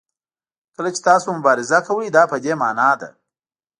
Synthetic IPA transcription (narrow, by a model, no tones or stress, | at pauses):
kəlat͡ʃe̥t̪ɑːsomʊbɑːɾɪzakɐwəjd̪ɑpəd̪emɑ̰ːnɑd̪a̰